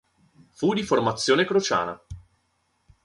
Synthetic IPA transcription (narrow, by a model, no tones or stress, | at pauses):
fud̪iformat̪sːjoːnekɾot͡ʃa̰ːna̰